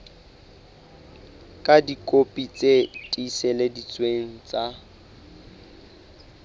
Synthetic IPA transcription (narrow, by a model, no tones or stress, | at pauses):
kʼadikʼopʼit͡sʼetʼisɛledit͡sʼweŋ̩t͡sʼa